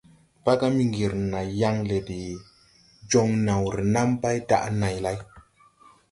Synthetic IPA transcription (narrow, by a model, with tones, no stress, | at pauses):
pa˦ka˦mi˦ŋɡi˨ɾna˨ja˧ŋle˨di˨ | d͡ʒo˧ŋna˨wɾi˨na˦mba˦jda̰˦ʔna˨jla˦j